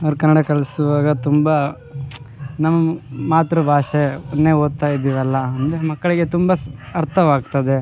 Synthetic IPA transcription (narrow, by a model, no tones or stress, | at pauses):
ɐʋɐɾkɐnːɐɽɐkɐɭɐsuʋaːɡɐt̪umbɐ | nɐmːɐmaːt̪ɾubʱaːʂeɐnːeoːd̪̚t̪aːjd̪iːʋɐlːɐɐnd̪emɐkːɐɭiɡe̞t̪umbɐɐɾt̪ʰɐʋaːɡ̚t̪ɐd̪e